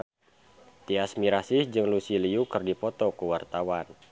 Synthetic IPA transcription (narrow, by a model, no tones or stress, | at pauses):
t̪iasmiɾasihd͡ʒɨŋlusiliukərdipɔt̪ɔkuwart̪awan